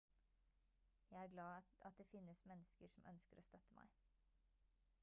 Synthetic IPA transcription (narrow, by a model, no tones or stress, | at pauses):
jæɪæːɾɡlɑːɑt̪̚d̪eːfɪnːəsmɛnːəskəʂɔmʔœ̰nskəɾʔo̰ːst̪œt̪əmʔæ̰ɪ